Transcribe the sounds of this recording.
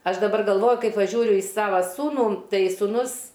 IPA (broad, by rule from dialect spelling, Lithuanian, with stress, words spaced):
ˈɐʃ dɐˈbɐr ɡɐlˠˈʋoːjʊ ˈkɐɪ pɐˈʒʲuːrʲʊ ɪ ˈsɑːʋɐ ˈsuːnuː ˈtɐɪ suːˈnʊs